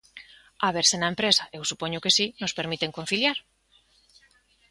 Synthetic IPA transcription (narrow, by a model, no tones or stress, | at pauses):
aβ̞eɾsenaempɾesaʔewsupoɲʊkesinospeɾmit̪eŋkon̟θiljaɾ